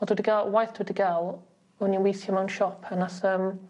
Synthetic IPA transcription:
ɔdudəɡalˠwajθd̥udəɡalˠ | uniwisjəmawnʃɔpʰənasəm

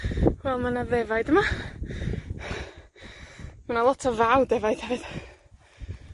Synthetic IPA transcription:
wɛlˠmanaðɛvajdəma | manalˠɔtʰɔvawdɛvajd̥hɛvɨð̥

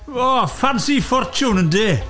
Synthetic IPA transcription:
ɔfansifɔɾt͡ʃuːnənd̪e

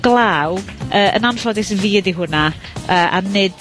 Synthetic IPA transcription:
ɡ̥lˠawəːʔə̰nanfɔdɪsəviːədiɦʊna | əːʔa̰nɨd̥

